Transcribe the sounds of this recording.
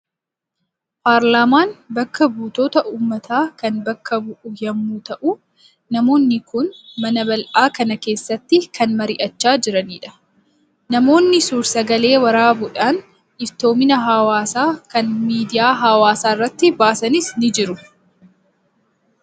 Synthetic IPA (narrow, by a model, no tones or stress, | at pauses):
paːɾlaːmaːnbɐkːɐbuːt̪o̞ːt̪ɐʔuːmːɐt̪ʰaːkɐnbɐkːɐbʊʔʊjɐmːuːt̪ɐʔʊ | nɐmo̞ːnːɪkʊnmɐnɐbɐlʔaːkɐnɐke̞ːsːɐt̪ːɪkʰɐnmɐɾɪʔɐt͡ʃːaːd͡ʒɪɾɐniːᶑɐ̥ | nɐmo̞ːnːɪsuːɾsɐɡɐle̞ːwɐɾaːbʊᶑaːn | ʔɪft̪o̞ːmɪnɐɦɐwaːsaːkɐnmiːd̪ɪjaːɦɐwaːsaːrːɐt̪ːɪbaːsɐnɪsnɪd͡ʒɪɾʊ